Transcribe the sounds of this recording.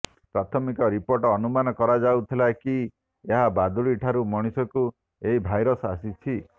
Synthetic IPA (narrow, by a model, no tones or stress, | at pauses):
pɾat̪ʰɔmikɔɾipoɾʈɔːnumanɔkɔɾad͡ʒawt̪ʰilaki | eɦabad̪uɭiʈʰaɾumɔɽ̃isɔku | eibʱajɾɔsasit͡ʃʰi